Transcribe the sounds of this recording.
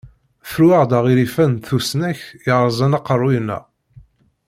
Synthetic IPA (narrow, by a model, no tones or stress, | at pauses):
fɾwaʁd̪æʁiɾifænθusnæçəʁəzˤænɑqərˤːujnːæ̰